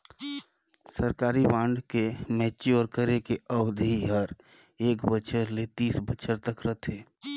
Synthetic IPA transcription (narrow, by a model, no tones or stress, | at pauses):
səɾkaːɾibãːɳɖkemɛːt͡ʃeɔːɾkəɾekeəbd̪ʱiɦəɾ | eːkbət͡ʃʰəɾlet̪iːsbət͡ʃʰəɾt̪əkɾət̪ʰeː